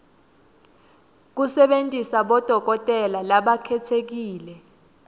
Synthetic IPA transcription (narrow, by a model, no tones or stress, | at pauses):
k̬usɛɓentʼisaɓɔd̥ʱɔk̬ɔtʼɛlalaɓakʰɛtʰek̬iːlɛ